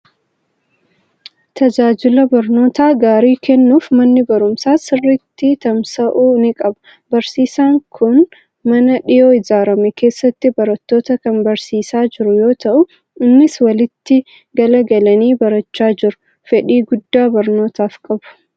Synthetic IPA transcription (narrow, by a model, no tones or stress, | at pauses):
t̪ʰɐd͡ʒaːd͡ʒɪlɐbɐɾno̞ːt̪aːɡaːɾiːkɛnːuːfmɐnːɪbɐɾʊmsaːsɪrːɪt̪ːɪt̪ɐmsɐʔuːnɪkʼɐbɐ̥ | bɐɾsiːsaːŋkʰʊn | mɐnɐᶑɪjoːɪzaːɾɐmɛkʰe̞ːsːɐt̪ːɪbɐɾɐt̪ːo̞ːt̪ɐkɐnbɐɾsiːsaːd͡ʒɪɾʊjo̞ːt̪ɐʔʊ | ɪnːɪswɐlɪt̪ːɪ | ɡɐlɐɡɐlɐniːbɐɾɐt͡ʃːaːd͡ʒɪɾʊ̥ | fɛᶑiːɡʊd̪ːaːbɐɾno̞ːt̪aːfkʼɐbʊ̥